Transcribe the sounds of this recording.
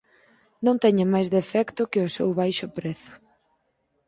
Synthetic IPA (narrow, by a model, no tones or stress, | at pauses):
nõŋt̪ɛɲamajzðefɛkt̪ʊkɪʊsɛwβajʃʊpɾɛθʊ̥